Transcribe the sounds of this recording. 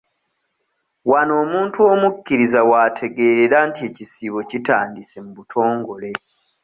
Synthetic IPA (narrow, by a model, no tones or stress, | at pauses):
wano̞ːmuːntuo̞mucːiɾizawaːtʰe̞ɡe̞ːɾeɾantie̞cisiβo̞citaːndise̞muβutʰo̞ːŋɡo̞le̞